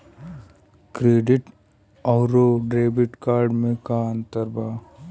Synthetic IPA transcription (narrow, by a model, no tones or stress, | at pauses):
kɾeːɖɪʈ | ɔːɾoɖɾeːbɪʈkaːɾɖmẽkaə̃nt̪əɾbaː